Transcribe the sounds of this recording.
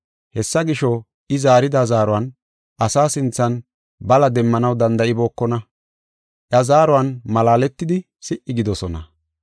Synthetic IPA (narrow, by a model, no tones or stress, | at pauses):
hɛsːɐɡɪʃɔ | ɪzaːɾɪd̪ɐzaːɾʊɐn | ʔɐsaːsɪnt͡sːɐn | bɐlɐd̪ɛmːɐnɐwd̪ɐnd̪ɐɪbo̞ːkːɔnɐ | ʔjɐzaːɾʊɐnmɐlaːlɛt̪ːɪd̪ɪ | sɪʔːɪɡɪd̪ɔsɔnɐ̰